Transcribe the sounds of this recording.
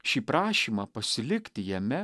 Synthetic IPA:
ʃʲiːpɾɑːʃʲiːmɑpɐsʲɪlʲɪkʲt̪ʲɪjɛmʲɛ

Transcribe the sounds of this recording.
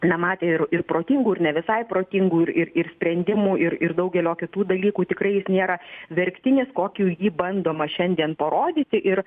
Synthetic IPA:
nɛmɑːt̪ʲeːɪɾɪrpɾoːt̪ʲɪŋɡuːɪɾnʲɛʋʲɪsɐɪpɾoːt̪ʲɪŋɡuːɪɾɪɾɪrsʲpʲɾʲɛnʲd̪ʲɪmuːʔɪɾɪɾd̪ɐʊɡʲɛlʲoːkʲɪt̪uːd̪ɐlʲiːkuːt̪ʲɪkɾɐɪjɪsnʲeːɾɐʋʲɛɾʲkt̪ʲɪnʲɪskoːkʲuːjiːbɐnd̪oːmɐʃʲɛnʲd̪ʲiɛnpɐɾoːd̪ʲiːt̪ʲɪʔɪɾ

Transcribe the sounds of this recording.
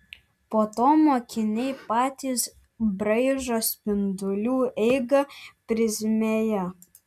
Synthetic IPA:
poːt̪oːmoːkʲɪnʲɛɪpɑːt̪ʲiːs | bɾɐɪʒoːspʲɪnd̪ʊlʲuːɛɪɡɐpʲɾʲɪzʲmʲejɛ

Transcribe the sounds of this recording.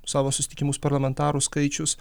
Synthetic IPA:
sɑːʋoːsʊsʲɪt̪ʲɪkʲɪmuːspɐɾlˠɐmʲɛnt̪ɑːɾuskɐɪt͡ʃʲʊs

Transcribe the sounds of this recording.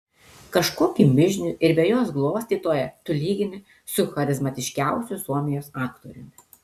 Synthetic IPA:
kɐʃkoːkʲimʲɪʒʲnʲʊʔɪɾbʲɛjoːsɡlˠoːsʲt̪ʲiːt̪oːjɛt̪ʊlʲiːɡʲɪnʲɪ | sʊxɐɾʲɪzmɐt̪ʲɪʃʲkʲæˑʊsʲʊsuɔmʲɪjoːsɑːkt̪o̰ːɾʲʊmʲɪ

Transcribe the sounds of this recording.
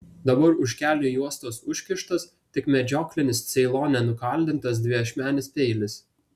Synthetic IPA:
d̪ɐbɐɾʊʃʲkʲæːlʲnʲʊːjuɔst̪oːsʊʃʲkʲɪʃt̪ɐs | t̪ʲɪkmʲɛd͡ʒʲoːklʲɪnʲɪst̪sʲɛɪlˠoːnʲɛnʊkɐˑlʲd̪ʲɪnt̪ɐs̬d̪ʲʋʲɪɐʃʲmʲæːnʲɪspʲɛɪlʲɪs

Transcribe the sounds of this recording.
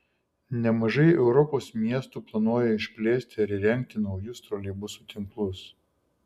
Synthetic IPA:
nʲɛmɐʒɐɪɛʊɾɔpoːsmʲiɛst̪uːplˠɐnuɔjɛɪʃʲpʲlʲeːsʲt̪ʲɪɐɾiɾʲɛŋʲk̚t̪ʲɪnɒʊjʊst̪ɾoːlʲibʊsuːt̪ʲɪŋklˠʊs

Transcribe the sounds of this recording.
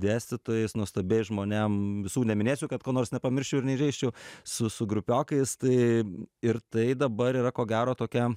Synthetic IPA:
d̪ʲæːsʲt̪ʲɪt̪oːjɛɪsnuɔst̪ɐbʲeːjʒmoːnʲɛmʋʲɪsuːnʲɛmʲɪnʲeːsʲuʊkɐt̪̚koːnoːrsnʲɛpɐmʲɪɾʲʃʲt͡ʃʲɛʊɪɾnʲɛɪʒɛɪʃʲt͡ʃʲɛʊsʊsʊɡɾʊpʲoːkɐɪst̪ɐɪɪɾt̪ɐɪd̪ɐbɐɾiːɾɐkoːɡʲæːɾoːt̪oːkʲɛ

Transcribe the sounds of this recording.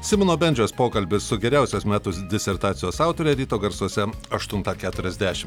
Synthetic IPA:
sʲɪmʲɪnoːbʲɛnʲd͡ʒʲoːspoːkɐlʲbʲɪssʊɡʲɛɾʲæˑʊsʲoːsmʲæːt̪ʊsd̪ʲɪsʲɛɾt̪ɑːt̪sʲɪjoːsɑʊt̪oːɾʲɛɛɾʲiːt̪oːɡɐɾsuɔsʲɛɐʃt̪ʊnt̪ɑkʲæːt̪ʊɾʲɛzʲd̪ʲæːʃʲɪm

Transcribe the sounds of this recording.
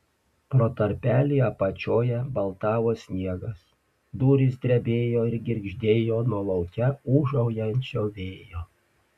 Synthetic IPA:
pɾoːt̪ɐɾʲpʲæːlʲɪjɛpɐt͡ʃʲoːjɛbɐlˠt̪ɑːʋoːsʲnʲiɛɡɐs | d̪uːɾʲɪs̬d̪ʲɾʲɛbʲeːjoːɪɾɡʲɪɾʲɡʒʲd̪ʲeːjoːnuɔlˠɐʊkʲɛuːʒɐʊjɛnʲt͡ʃʲoːʋʲeːjoː

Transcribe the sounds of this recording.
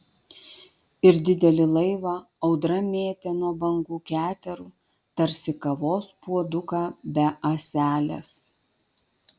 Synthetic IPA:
ɪɾd̪ʲɪd̪ʲɛlʲɪlˠɐɪʋɑ | ɒʊd̪ɾɐmʲeːt̪ʲenuɔbɐŋɡuːkʲæːt̪ʲɛɾuː | t̪ɐɾʲsʲɪkɐʋoːspuɔd̪ʊkɑːbʲɛʔɐsʲæːlʲḛs

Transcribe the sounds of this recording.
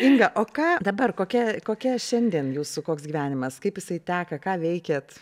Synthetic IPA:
ɪŋɡɐʔoːkɑːd̪ɐbɐrkoːkʲɛkoːkʲɛʃʲɛnʲd̪ʲiɛnjuːsʊkoːksɡʲiʋʲæːnʲɪmɐskɐɪpjɪsɐɪt̪ʲæːkɐkɑːʋʲɛɪkʲeːt̪

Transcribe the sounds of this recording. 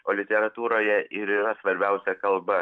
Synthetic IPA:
oːlʲɪt̪ʲɛɾɐt̪uːɾoːjɛɪɾiːɾɐsʋɐɾʲbʲɛʊsʲɛkɐlˠbɐ

